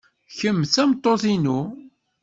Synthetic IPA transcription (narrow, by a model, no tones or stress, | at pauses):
çəmːθæmt̪ˤːoθinu